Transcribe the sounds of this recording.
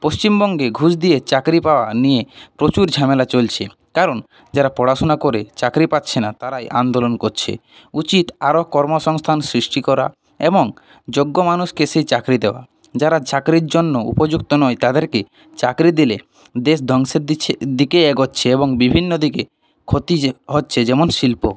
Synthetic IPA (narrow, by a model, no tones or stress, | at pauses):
post͡ɕimbɔŋɡeɡʱuʃd̪iet͡ɕakɾipaoanijepɾot͡ɕuɾd͡ʑʱamelat͡ɕolt͡ɕʰe | kaɾon | d͡ʑaɾapɔɽaʃonakoɾet͡ɕakɾipatːɕʰenat̪aɾajʔand̪olonkoɾt͡ɕʰḛ | ut͡ɕit̪aɾokɔɾmoʃɔŋst̪ʰansɾiʃʈikɔɾa̰ | eboŋ | d͡ʑoɡːomanuʃkeʃejt͡ɕakɾid̪eoa̰ | d͡ʑaɾat͡ɕakɾiɾd͡ʑonːoṵpod͡ʑukt̪onɔjt̪ad̪eɾke | t͡ɕakɾid̪ile | d̪eʃ̬d̪ʱɔŋʃeɾid̪ikeɛɡotːɕʰeeβoŋbibʱinːod̪ike | kʰot̪iɦotːɕʰed͡ʑɛmonʃilpo̰